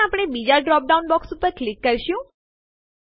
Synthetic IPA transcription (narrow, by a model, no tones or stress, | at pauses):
aːpɽ̃ebid͡ʒaɖɾɔːp̚ɖaunbɔksupəɾklɪkːəɾʃjũ